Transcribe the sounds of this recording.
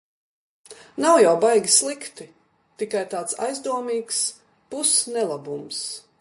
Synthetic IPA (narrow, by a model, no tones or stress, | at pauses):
nawjawbajɡʲislˠikt̪i | t̪ikajt̪aːt̪sa̰jzd̪uɔmiːks | pusnɛlˠabums